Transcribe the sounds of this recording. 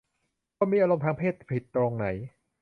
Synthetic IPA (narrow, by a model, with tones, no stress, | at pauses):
oː˧˥miː˧ʔaː˧ɾo˧mt̪ʰaː˧˥ŋpʰeː˥˩t̪̚pʰi˨˩t̪ːɾoː˧ŋna˩˦j